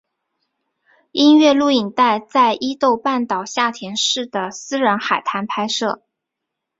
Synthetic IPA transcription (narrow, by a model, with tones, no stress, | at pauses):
i˥nɥɛ˥˧lu˥˩i˨˩ŋt̪a˥˧ɪt͡sa˥˧ɪʔi˥t̪o˥˧ʊpa˥˩nt̪ɑ˨˩ʊɕja˥˩t̪ʰjɛ˧˥nʂɻ̩˥˩d̪ə˩sɹ̩˥ɻa˧˥nxa˨˩ɪt̪ʰa˧˥npʰa˥ɪʂɤ˥˩